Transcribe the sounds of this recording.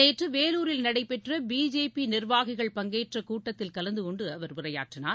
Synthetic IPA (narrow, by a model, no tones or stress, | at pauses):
eːʈrɯʋeːluːɾɪlnɐɽɐɪpːɛʈrɐbiːd͡ʒeːpinɪrʋaːɣɪɣɐɭpɐŋɡeːʈrɐkuːʈːɐt̪ːɪlkɐlɐnd̪ɯkɔɳɖɯɐʋɐɾʋɪɾɐja̰ːʈrɪnaː